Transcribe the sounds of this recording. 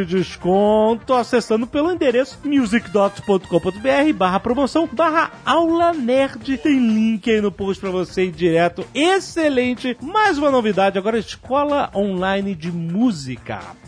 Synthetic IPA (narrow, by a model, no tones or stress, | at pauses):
ɪd͡ʒɪʃkõt̪ʊasesɐ̃nd̪ʊpelʊĩnd̪eɾesʊ̥mjuzikd̪ɔt̪spõnt̪ʊ̥kõpõt̪̬ʊbeɛɦɪbaɦɐpɾomosɐ̃w̃baɦɐawlɐnɛɾd͡ʒɪt̪ẽj̃lĩkɪainʊpowʃt͡ʃɪ̥pɾɐvosẽd͡ʒiɾɛt̪ʊeselẽnt͡ʃɪmajzũmɐnovid̪ad͡ʒɪaɡɔɾɐɪʃkɔlɐʔõlajnɪd͡ʒɪmuzikɐ̰